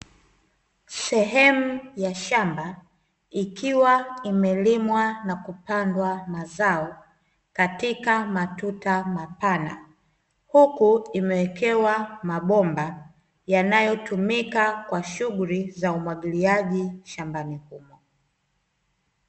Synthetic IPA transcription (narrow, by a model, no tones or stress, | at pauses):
sɛɦɛmujaʃamba | ikʰiwaimɛlimwanakupandwamazaɔ | katikamatutamapana̰ | hukuimɛwɛkʰɛwamaɓɔmba | janajɔtumikakwaʃuɠuɾizaumwaɠiliaʄiʃambanihumɔ